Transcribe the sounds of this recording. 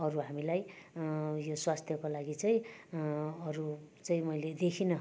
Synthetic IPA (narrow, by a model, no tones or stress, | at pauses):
ʌɾuɦamilaj | joswast̪ʰjʌkolaɡit͡sʌĩ | ʌɾut͡saĩmʌjled̪ekʰinʌ